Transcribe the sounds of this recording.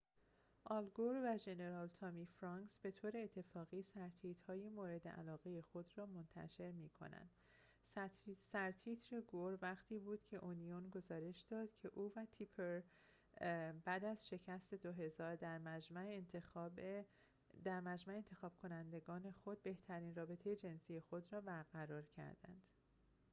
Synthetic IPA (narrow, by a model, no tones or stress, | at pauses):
ʔɒːlɡoɾvæʒe̞ne̞ɾɒːlt̪ʰɒmiːfɾɒŋksb̥e̞t̪ʰoːɾe̞ːt̪ʰːe̞fɒːɣiːsæɾt̪ʰiːt̪hɒːjimoːɾe̞d̪eʔæ̰lɒːɣe̞jexo̞d̪ɾɒːmont̪ʰæ̰ʃe̞ɾmiːkʰo̰næ̰nd̪̥ | sæɾt̪ʰiːt̪ʰɾeɡoɾvæɣt̪ʰiːbuːd̪̥cʰe̞ʔonijonɡo̞zɒːɾe̞ʃd̪̥ɒːd̪̥cʰe̞ʔuːvæt̪ʰipʰeɾ | bæd̪æz̥ʃe̞cʰæst̪e̞d̪oɦe̞zɒːɾd̪æɾmæd͡ʒmæent̪e | d̪æɾmæd͡ʒmæeeːnt̪ʰexɒːb̥̚kʰo̞nænd̪e̞ɡɒːne̞xo̞d̪̚be̞ht̪ʰæɾiːnrɒːbe̞t̪ʰe̞jed͡ʒe̞nsiːje̞xo̞d̪ɾɒːbæɾɣæɾɒːɾcʰæ̰ɾd̪æ̰nd̪̥